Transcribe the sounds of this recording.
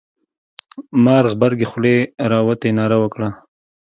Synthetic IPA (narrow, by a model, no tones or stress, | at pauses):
maɾɣbaɾɡexleɾɑwət̪enɑːɾawəkɽa